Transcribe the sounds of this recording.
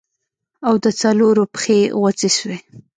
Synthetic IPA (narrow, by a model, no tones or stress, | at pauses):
awd̪ət͡saloɾopə̥xeɣwat͡siʃwe